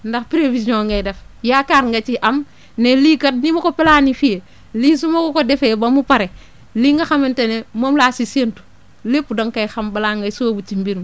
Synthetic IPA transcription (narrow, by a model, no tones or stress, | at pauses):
ndaxpɾefisiõŋɡajdefjakaɾŋɡat͡ʃiʔam | neliːkat̚nimokopelanifije | lis̬umakokodefebamupaɾe | liːŋɡaxamintenemomlasisentu̥ | lepːudaŋkajxambalaŋɡasuwobut͡ʃimbiɾm